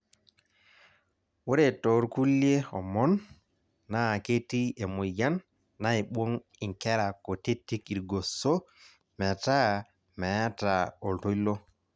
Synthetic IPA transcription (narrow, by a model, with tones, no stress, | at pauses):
wo˦ɾɛtɔ˨ɾku˦lie˦ɔ˨mɔ˦nː | a˨ke˦ti˦e˨mu˨ja˦nː | ajɓo˦n | i˨ŋkɛ˦ɾa˨kɔ˨te˦tːi˦ki˨ɾɡɔ˨sɔ˦ | mɛ˨ta˦ | mɛ˨a˦taɔ˨lto˦jlɔ˦